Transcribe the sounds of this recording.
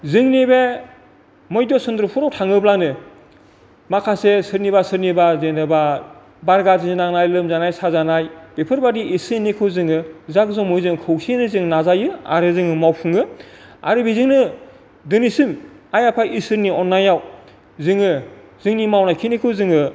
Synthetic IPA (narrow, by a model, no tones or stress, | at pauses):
zɯŋnibe | mɔjdɔsɯnd̪ɾupʰuɾawtʰaŋɯblanɯ | makʰasesɯɾniβasɯɾnibazenɯba | baɾɡazininaŋnajlɯmzanajsazanajb̥epʰɯɾbadiːsɯnikʰɯwzɯŋɯzak̚zɔŋmɔjzɯŋɯkʰɯwsenɯzɯŋnazajɯa̰ɾɯzɯŋɯmawpʰɯŋɯa̰ɾɯbizɯŋnɯ | dɯnisɯmajapʰajisɯɾniɔnːajaw | zɯŋɯ | zɯŋnimawnajkʰinikʰɯwzɯŋɯ